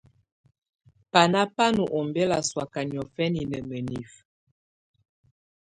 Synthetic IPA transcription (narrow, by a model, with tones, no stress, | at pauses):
pa˨na˦pa˦nu˨ʔo˨mbɛ˦la˨swa˨ka˨njɔ˨fɛ˦ni˨nə˨mə˨ni˨f